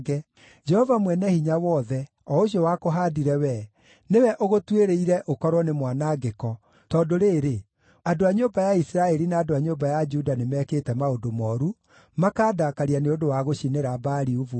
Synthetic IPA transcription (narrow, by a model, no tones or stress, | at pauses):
ɡɛ | d͡ʒɛhɔvamwɛnɛhiɲawɔːðɛ | ɔoɕiɔwakoɦadiɾɛwɛ | newɛʔoɣotweɾeiɾɛʔokɔɾwɔnemwanaɡekɔ | tɔdoɾeːɾe | adoaɲobajaisiɾaɛɾinaːdoaɲombajad͡ʒudanemɛkeːtɛmaodomɔɾu | makaːdakaɾianeodowaɣoʃineɾabaːɾiuvu